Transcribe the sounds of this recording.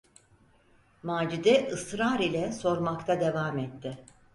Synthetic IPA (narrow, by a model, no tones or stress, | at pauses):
maːd͡ʒid̪ɛʔɯsɾaːɾilʲɛso̞ɾmakt̪ʰad̪e̞vaːmɛt̪ːɪ